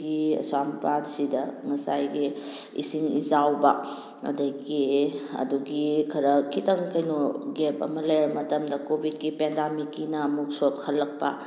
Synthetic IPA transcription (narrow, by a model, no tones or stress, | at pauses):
ɡiɐ̰sampadsidɐŋɐsa̰jɡiḭsiŋḭzawbɐ | ɐ̰dɐkiɐ̰duɡikʰɐɾɐkitɐŋkɐjnoɡepɐ̰mɐlɐjɾɐmɐtɐmdɐkobʱit̚kipendamikːinɐːmuk̚sok̚hɐlːɐk̚pɐ̰